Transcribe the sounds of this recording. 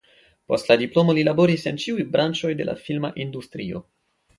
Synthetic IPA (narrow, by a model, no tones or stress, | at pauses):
po̞̰stladiplo̞mo̞lilabo̞ɾisent͡ʃiujbɾant͡ʃo̞jde̞̰la̰filmaʔindustɾio̞̰